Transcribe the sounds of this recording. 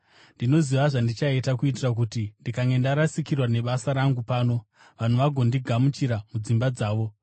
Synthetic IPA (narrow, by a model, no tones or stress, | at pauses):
ndino̞ziʋaʐandit͡ʃaetakuitirak̬utindikaŋɡe̞ndaɾasikirwane̞ɓasaɾaŋɡupaːno̞ | ʋan̤uʋaɡʱo̞ndiɡʱamut͡ʃiɾamud͡zimbad͡zaːʋo̞